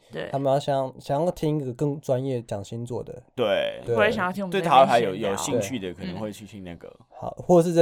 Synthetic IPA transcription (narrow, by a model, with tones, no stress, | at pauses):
e˥˩a˥mə˨jɑ˥˩ʊɕɑ˨ɑ˥˩ŋɕjɑ˨˩ŋjɑ˥˩t̪ʰi˦˥ŋi˥ɡɡə˨˩kɤ˥˩ŋʈ͡ʂwa˦njɛ˥˩t͡ɕjɑ˨˩ŋɕi˦˥nt͡swɔ̰˥˩d̪ə̰˩t̪we˥˩ɪwe˧˥ɕɑ̃˨jɑ˥˩t̪ʰĩ˥we˥˨ɪt̪ʰa˥˩a˧ɪjo˨˦jo˨˩ʊɕi˧eŋ˥˩t͡ɕʰy˥˨˩d̪ə˨˩kʰə˨˩nə˧˦ŋxwe˥˧ɪt͡ɕʰy˥˧t̪ʰi˥˧ŋna˥˩ɡə̰˩ | xɑ˨˩˦ʊxwɔ˥˩ə˩ʂ̬ɻ̩˥˧˥